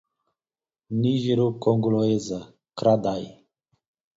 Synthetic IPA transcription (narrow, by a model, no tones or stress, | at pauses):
niʒiɾukoŋɡloeza | kɾad̪aj